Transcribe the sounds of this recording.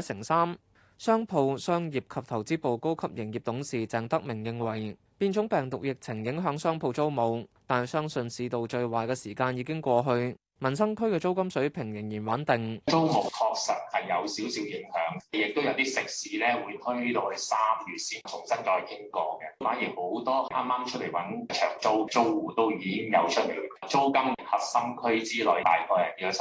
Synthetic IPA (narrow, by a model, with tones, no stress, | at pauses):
sɪ˨˩ŋsaː˥m | sœː˥ŋpʰo˧wsœː˥ŋjiː˨˩p̚kʰɐ˨p̚t̪ʰɐ˨˩wt͡siː˥po˨wko˥wkʰɐ˥p̚jɪ˨˩ŋjiː˨p̚t̪ʊ˨˥ŋsiː˨t͡sɛː˨ŋt̪ɐ˥k̚mɪ˨˩ŋjɪ˧ŋwɐ˨˩j | piː˧nt͡ʃʰʊ˨˥ŋpɛː˨˩ŋt̪ʊ˨k̚jɪ˨k̚t͡sʰɪ˨˩ŋjɪ˨˥ŋɦœː˨˥ŋsœː˥ŋpʰo˧wt͡so˥wmo˨˧wt̪aː˨nɐ˨jsœː˥ŋsɵ˨˧nsiː˧t̪o˨wt͡ʃɵ˧ɥwaː˨˩jkɛː˧siː˨˩kaː˧njiː˨˧kɪ˥ŋkʷɔː˧ɦɵ˧ɥ | mɐ˨˩nsɐ˥ŋkʰɵ˥ɥkɛː˧t͡so˥wkɐ˥msɵ˨˥ɥpʰɪ˨˩ŋjɪ˨˩ŋjiː˨˩nwɐ˨˥nt̪ɪ˨ŋt͡ʃo˥wmʊ˨˩k̚kʰɔː˧k̚sɐ˨t̚hɐ˨jːɐ˨˧wsiː˨˥wsiː˨˥wjɪ˨˥ŋhœː˨˥ŋjɪ˨k̚t̪o˥wjɐ˨˧wt̪iː˥sɪ˨k̚siː˨˥lɛː˥wuː˨˧jt̪ʰɵ˥ɥiː˥t̪o˧whɵ˨˧saː˥mjyː˨t̚siː˥t͡sʰʊ˨˩ŋsɐ˥nt͡sɔː˧˨˩jkʰɪ˥ŋkɔː˧kɛ˧˥faː˨˥njiː˨˩ho˨˥wt̪ɔː˥˩ʔaː˥mːaː˥mt͡ʃʰɵ˥le˨˩jwɐ˨˥n˧t͡ʃʰœ̰ː˨˩ŋt͡so˥wt͡so˥wwuː˨˩t̪o˥wjiː˨˧kɪ˥ŋjɐ̰˨˧wt͡ʃʰɵ˥t̚le˨˩˧t͡so˥wkɐ˥m̚˨hɐ˨˧t̚sɐ˥ŋkʰɵ˥ɥt͡siː˥lɔ˨jt̪a̰ː˨jkʰɔː˧jɐ̰˨˩niː˨˧ɔ˧˥